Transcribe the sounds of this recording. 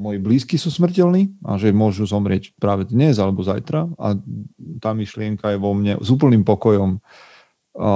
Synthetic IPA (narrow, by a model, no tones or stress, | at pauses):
mɔjibliːskisusmr̩cɛlniːa̰ʒɛmʊɔʒuzɔmɾɪɛcpɾaːʋɛd̪ɲɛzalɛbɔzajt̪ɾaa̰t̪aːmiʃlɪɛŋkajɛʋɔmɲɛ̰zuːp̬l̩nimpɔkɔjɔm